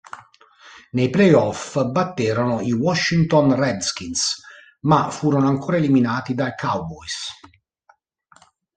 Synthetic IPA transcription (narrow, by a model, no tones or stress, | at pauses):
nejplejɔfbat̪ːɛːɾonoiwɔʃːint̪onrɛd̪sk̟ins | mafuːɾonoaŋkʰoːɾaeliminaːt̪id̪akʰawbɔjs